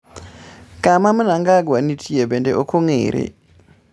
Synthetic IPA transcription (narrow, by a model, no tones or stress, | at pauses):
kamamunaŋɡaɡwanitʰijebɛndɛʔokoŋḛːɾʔḛ